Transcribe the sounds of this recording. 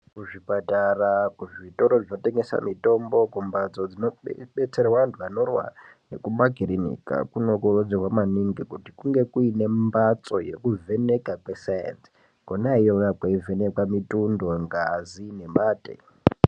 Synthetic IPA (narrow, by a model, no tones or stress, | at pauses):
kuʐipatarakuʐito̞ɾo̞ʐino̞te̞ŋɡe̞sa̰mito̞mbo̞kumbat͡so̞d͡zinoɓe̞t͡se̞rwandʱwanorwa̰ | ne̞̰kumaɡʱirinḭka̰kuno̞kurod͡zirwamaniŋɡikutikuŋɡe̞kuine̞mmbat͡so̞je̞̰kuvʱe̞ne̞kakwe̞sajḛnsi̥ | konaijoʋakwaive̞nekwamitundo̞ŋɡazine̞maːtḛ